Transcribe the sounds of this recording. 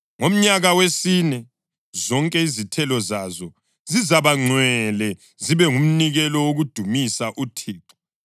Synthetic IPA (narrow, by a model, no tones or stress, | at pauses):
ŋom̩ɲaɣawesinɛ | zɔŋkʼɛizitʰɛlɔzazɔ | zizaβaŋ͡ǀʱwɛlɛ | ziβɛŋum̩niɣɛlɔwoɣud̥ʱumisaʔutʰiːǁu̥